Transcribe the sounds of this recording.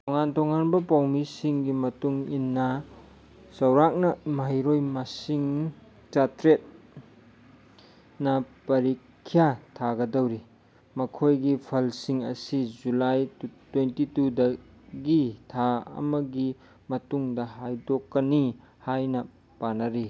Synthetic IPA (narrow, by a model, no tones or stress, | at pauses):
toŋantoŋanbɐpawmisiŋɡimɐtuŋinːɐ | sɐwɾak̚nɐmaɦjɾojmasiŋ | t͡ʃatɾet̚ | nɐpɐɾikʰːijatʰaɡɐdɐwɾi | mɐkʰojɡipʰɐlsiŋɐ̰sizulajtwentitudɐ | ɡitʰaɐ̰mɐɡi | mɐtuŋdɐɦajdokːɐni | hajnɐ | panɐɾi